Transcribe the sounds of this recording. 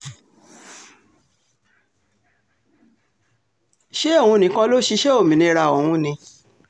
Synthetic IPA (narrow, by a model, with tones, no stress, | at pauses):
ʃe˦o˦˨wũ˧nĩ˨˦kã˦lo˦ʃi˧ʃe˦o˦˨mĩ˨nĩ˧ɾa˧˨o˨wũ˧nĩ˧˦